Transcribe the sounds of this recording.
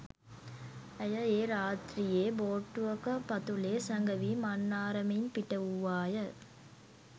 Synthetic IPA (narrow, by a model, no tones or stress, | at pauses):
ɐjɐeːɾaːt̪ɾijeːboːʈːuʋɐkɐpɐt̪uleːsɐŋɡɐʋimɐnːaːɾɐmɐjɪnpiʈːɐuʋaːjɐ